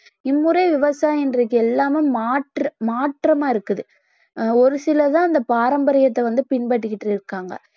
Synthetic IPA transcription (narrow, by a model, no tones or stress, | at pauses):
ɪmːɯɾɐɪʋɪʋɐsaːjɪndrɐkːɯɛlːaːmemaːʈrɐmaːʈrɐmaːɪɾɯkːɯðɯ | ɔɾɯsɪlɐt̪ãːɐnd̪ɐpaːɾɐmbɐɾɪjɐt̪ːɛʋɐnd̪ɯpɪɳbɐʈːɯkːɪʈrɯɪɾɯkːaːŋɡɐ̰